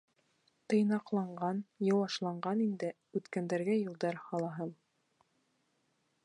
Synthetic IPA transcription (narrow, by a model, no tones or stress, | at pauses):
t̪ɤ̆jnɑqlˠɑɴɢɑnjɤ̆wɑʃlˠɑɴɢɑnind̪ɘ | ʉt̪kænd̪æɾɡæjɤ̆lˠd̪ɑɾhɑlˠɑɦɤm